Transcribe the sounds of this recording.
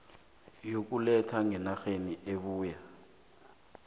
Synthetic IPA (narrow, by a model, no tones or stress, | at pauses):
jok̬ulɛtʰaŋɛnaxeniʔeβuːja